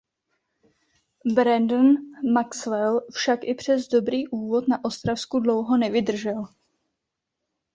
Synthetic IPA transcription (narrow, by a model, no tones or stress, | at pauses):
bɾɛndnmaksvɛlfʃakʔɪpr̝̥ɛzdo̞bɾiːʔuːvo̞t̪naʔo̞st̪ɾafskudlo̞wɦo̞nɛvɪdr̩ʒɛl